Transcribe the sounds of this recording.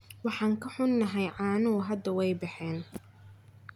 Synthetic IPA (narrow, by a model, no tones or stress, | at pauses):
wɑħɑːŋkʰɐħʊnːɐɦɛjʕɑːnʊɣʊɦɐd̪ɐwɛjbɪħɛːn